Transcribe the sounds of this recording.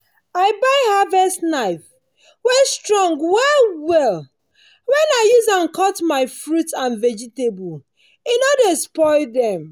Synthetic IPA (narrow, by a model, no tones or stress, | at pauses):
aɪbaɪhavɛstnaɪf | wɛstɹɔ̃ŋɡwɛlwɛl | wɛ̃naɪjuzãnkɔtmaɪfɹutãnvɛd͡ʒitebɔl | inɔdaspɔɪldɛ̃m